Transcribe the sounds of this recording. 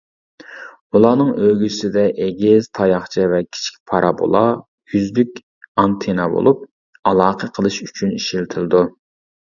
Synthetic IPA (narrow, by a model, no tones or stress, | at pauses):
ulˠɑːnɨŋøɡʲysɪd̪ɛʔeɡʲiz̥t̪ʰɑjɑχt͡ʃʰivɛkʲʰi̥t͡ʃʰi̥kʲpʰɑɾʔɑbo̰lˠɑ | jyzlykʲ | ɑnt̪ʰenɑbo̰lˠup̚ | ɑlˠɑːqʰəqʰəlˠɨʃyt͡ʃʰyniʃilt̪ʰɪlˠɨd̪u